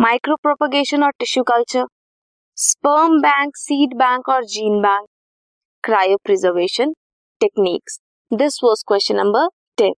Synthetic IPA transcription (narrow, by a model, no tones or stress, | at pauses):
maɪkɾoːpɾɔpəɡeːʃə̃nɔːɾʈɪʃjuːkɐlt͡ʃəɾ | spəːmbæ̃ŋksiːɖbæ̃ŋkɔːɾd͡ʒĩːnbæ̃ŋk̚ | kɾaːjopɾɪzəɾʋeːʃə̃n | ʈeknḭːks | d̪ɪsʋɔːskwɛst͡ʃə̃nːɐ̃mbəɾ | ʈẽn